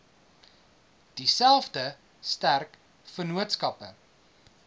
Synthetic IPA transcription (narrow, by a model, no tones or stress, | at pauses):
d̥isælˠfdə | stærk | fənuətskɐpə